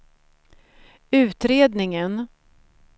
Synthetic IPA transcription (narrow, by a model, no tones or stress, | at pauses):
ʉ̟ːt̪ɾeːd̪nɪŋən